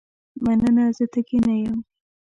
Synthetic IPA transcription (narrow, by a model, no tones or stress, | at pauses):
manənazət̪əkinajəm